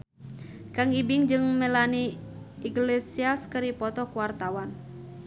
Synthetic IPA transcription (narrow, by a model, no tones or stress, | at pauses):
kaŋibiŋd͡ʒɨŋməlaniiɡlesiaskəɾipɔt̪ɔkuwart̪awan